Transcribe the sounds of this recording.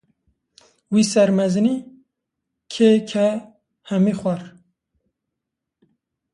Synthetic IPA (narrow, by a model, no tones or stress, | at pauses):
wiːsɛɾmɛzɨniː | kʰekʰɛ | hɛmiːxʷɛɾ